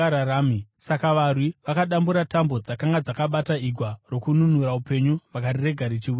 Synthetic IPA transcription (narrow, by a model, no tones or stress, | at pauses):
aɾaɾaːmisakaʋarwiʋakaɗambuɾatambo̞d͡zakaŋɡad͡zakaɓataiɡʱwaro̞kununuɾaupe̞ɲuʋakarire̞ɡʱaɾit͡ʃiʋu